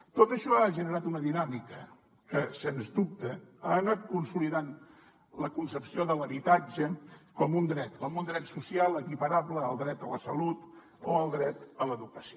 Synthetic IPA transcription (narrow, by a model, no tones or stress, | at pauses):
t̪ot̪əʃɔaʒənəɾat̪unəðinamikə | kəsenzd̪up̚t̪əaənat̪̚kunsuliðan | ləkunsəpsioðələβit̪ad͡ʒəkɔmund̪ɾɛt̪kɔmund̪ɾɛt̪susialˠəkipəɾaβləːlˠd̪ɾɛt̪ələsəlut̪ | oəlˠd̪ɾɛt̪ələðukəsio